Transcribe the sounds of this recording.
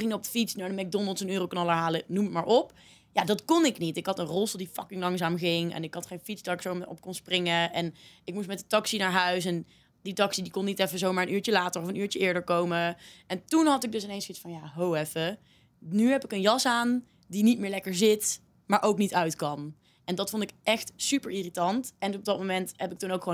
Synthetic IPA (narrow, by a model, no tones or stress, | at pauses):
ɪŋɔpfitsnaɹdəmɛɡ̚dɔnəl̩ˠtsənøːrowknɑləɹɦaːlənumətmaːɹʔɔp | jadɑtkɔnɪknitɪkɦɑtənrɔlˠsəlˠdifɑkɪŋlɑŋzaːmχɪŋɛ̰nɪkɦɑtχejnfizdaːɹɪksowmɔ̰p̚kɔnsprɪŋəɛnɪk̚mus̬mɛtdətɑksinaːɹɦœɥsɛn | ditɑksidikɔnitɛfəzowmaːɹənyːɹt͡ʃəlaːtəɹɔfənyːɹt͡ʃəɪːɹdəɹkowməɛntunɦɑtɪɡ̚dɵs̬ɪnejnsisfɑnjaːɦowɛfə | nyɦɛpɪkənjɑsaːn | dinit̚mɪːɹlɛkəɹzɪt | maːɹʔowknitœɥtkɑn | ɛndɑtfɔntɪkɛxtsypəɹiːritɑntɛnɔb̚dɑt̚momɛntɦɛpɪk̚tunowkχʋo